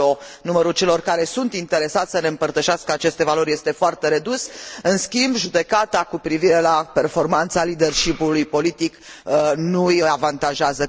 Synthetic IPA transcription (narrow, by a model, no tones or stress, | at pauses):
o | numəɾut͡ʃe̞lo̞rkaɾe̞sunt̪int̪e̞ɾe̞sat̪sʲsəne̞ɨmpərt̪əʃaskəat͡ʃe̞st̪e̞valo̞ɾje̞st̪e̞foart̪e̞ɾe̞d̪usɨnskʲimbʒud̪e̞kat̪akupɾiviɾe̞lape̞rfo̞rmant̪salid̪e̞rʃipulujpo̞lit̪iknujavant̪aʒeazə